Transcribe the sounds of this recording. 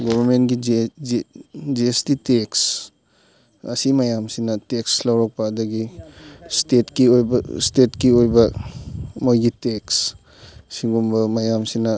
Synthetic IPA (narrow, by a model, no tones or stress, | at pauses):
ɡɔβʱɐɾmentɡi | d͡ʒiestiteks | ɐsimɐjamsinɐtekslɐwɾɔk̚pɐːdɐɡistetkiojbɐstetkiojbɐ | mojɡiteks | siɡumbɐmɐjamsinɐ